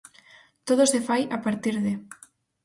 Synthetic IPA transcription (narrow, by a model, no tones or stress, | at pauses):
t̪oð̞osefajapaɾt̪iɾðe